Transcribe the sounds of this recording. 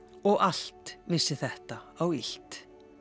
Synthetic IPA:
ɔɣal̥t̪vɪsːɪθɛht̪aawil̥t̪

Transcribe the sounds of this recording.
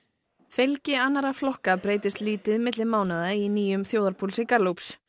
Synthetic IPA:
fɪlcɪanːaɾaflɔhkapɾeːjt̪ɪst̪liːt̪ɪðmɪt̪lɪmaːwnaðainiːjʏmθjoːwðaɾpʰulsɪkaɾluwps

